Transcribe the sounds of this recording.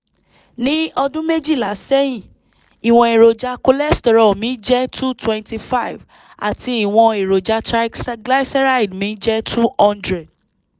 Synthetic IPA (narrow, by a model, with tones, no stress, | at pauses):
nĩ˦ɔ˧dũ˦me˦d͡ʒi˦˨la˨˦sɛ˦jĩ˦˨ | i˨w̃ɔ̃˨e˨ɾo˨d͡ʒa˧ko˧lɛ˦stɛ˧ɾɔ˨mĩ˨˦d͡ʒɛ˦tu˦twɛ̃˧nti˧fa˦i˨v | a̰˨tʰi˧i˨w̃ɔ̃˧e˨ɾo˨d͡ʒa˧tɾa˦sɡla˦jsɛ˦ɾa˦i˨dmĩ˨˦d͡ʒɛ˦tʰu˦ɔ̃˦ndɾɛ˨d